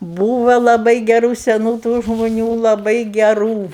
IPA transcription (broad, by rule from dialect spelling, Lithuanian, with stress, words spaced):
ˈbuːʋɐ lˠɐˈbɐɪ ɡʲɛˈruː sʲɛˈnuː tuː ʒmʊˈnʲuː lˠɐˈbɐɪ ɡʲɛˈruː